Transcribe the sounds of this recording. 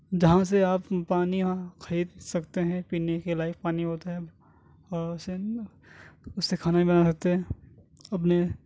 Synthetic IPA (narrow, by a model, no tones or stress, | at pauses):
d͡ʒɐɦãs̬eaːpːaːnijãkʰɐɾiːd̪sɐkt̪eɦɛ̃piːnekelaːɪk̚paːniɦoːt̪aɦɛ | ɔːɾʊse | ʊsːekʰaːnaɦĩbɐnas̬ɐk̚t̪eɦɛ̃ː | ɐp̬ne